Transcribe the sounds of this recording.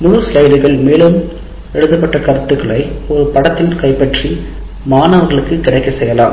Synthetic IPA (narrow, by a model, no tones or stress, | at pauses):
mʊɻɯslɐɪɖɯɣɐɭmeːlɯm | ɛɻɯðɐpːɐʈːɐkɐɾɯt̪ːɯkːɐɭɐɪɔɾɯpɐɽɐt̪ːɪnkɐɪpːɐʈri | maːnɐʋɐɾɣɐɭɯkːɯkɪɽɐɪkːɐsɛjːɐlaːm